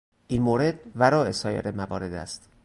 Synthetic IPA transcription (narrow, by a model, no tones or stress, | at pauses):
ʔinmoːɾe̞d̪væɾɒːʔe̞sɒːjḛɾemævɒ̰ːɾe̞d̪æ̰st̪